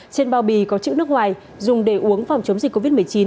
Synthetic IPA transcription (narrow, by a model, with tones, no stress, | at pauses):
t͡ɕe˧nɓaː˧˩wɓi˧˩kɔ˨˦t͡ɕḭ˧˨wnɨ˦˥ək̚ŋwaː˨˩j | zʊ˨˩ŋ͡mɗe˧˩ʔu˨˦əŋfa˨˩wŋ͡mt͡ɕə˨˦ŋ͡mzi˨˩k̟kːo˧vi˦˥t̚m˨˩əjt͡ɕi˨˦n